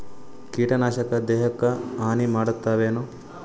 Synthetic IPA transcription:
kiːʈɐnaːʃɐkɐd̪ɛːɦɐkːɐaːnimaːɽut̪ːaːʋeːnu

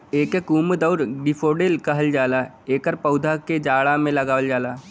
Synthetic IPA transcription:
eːkekuːmd̪əʊɾɡɪpʰoːɖeːlkɐɦəld͡ʒaːla | eːkəɾpəʊd̪ʱaked͡ʒaːɽamẽləɡaːʋəld͡ʒaːlaː

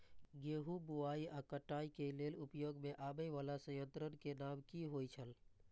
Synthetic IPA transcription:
ɡeːɦubuaːiʔəkəʈaːikeleːlʊpjoːɡmẽʔaːbəʋaːlasə̃jə̃nt̪ɾənkenaːmkiɦoːit͡ʃʰəl

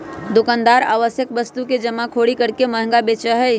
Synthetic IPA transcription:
d̪ʊkãːnd̪aːɾa̰ːʋəsjək̚ʋəst̪uked͡ʒəmːakʰoɽikəɾkeməɦə̃ŋɡabet͡ʃəɦəj

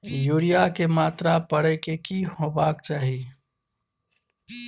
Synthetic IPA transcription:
juːɾijakemaːt̪ɾapəɽekekiɦoːbaːk̚t͡ʃaːɦie

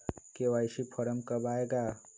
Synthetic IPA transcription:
kewajsipʰəɾəmkəbaeɡa

